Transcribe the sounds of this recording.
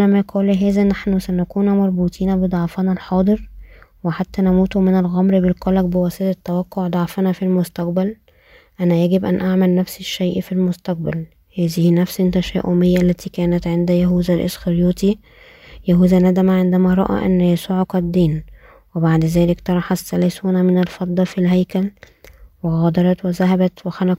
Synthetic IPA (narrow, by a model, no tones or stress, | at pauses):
næmæqʰɑːliɦæːzæʔnːaħnusænækuːnmɑɾˤbuːt̪ʰˤiːnæbed̪ˤɑʕfɑnɑlħɑːd̪ˤɨɾweħat̪ːænæmuːt̪omenælɣæmɾbelqɑlæɡbewæsˤed̪æt̪ːæwæqːoʕd̪ˤɑʕfɑnɑfilmost̪æq̚bæl | ʔænæjæɡebʔænʔaʕmælnæfseʃːæjʔfilmost̪æq̚bæl | hæːzihinæfsnt̪æʃæ̰ːʔomejːæʔlːæt̪iːkæːnæt̪ʕend̪æjæɦuːzælʔḛsxɑɾjuːt̪i | jæɦuːzænæd̪æmæʕend̪æmæɾˤɑ̰ʔæ̰ʔæ̰nːjæsuːʕqæd̪ːiːn | webaʕd̪zæːlɪkt̪ɑɾˤɑħɑsːælæːsuːnæmɪnælfɑd̪ˤːɑfilɦæjkæl | weɣɑd̪ɑɾˤɑt̪wezæɦæbæt̪wexænæ